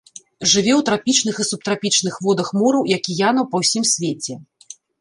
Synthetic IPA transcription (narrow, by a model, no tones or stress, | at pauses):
ʐɨvʲɛwt̪ɾapʲit͡ʂnɨxɨsup̚t̪ɾapʲit͡ʂnɨxvɔd̪ɐxmɔɾɐwjakʲijanɐwpɐwsʲimsʲvʲet͡sʲɛ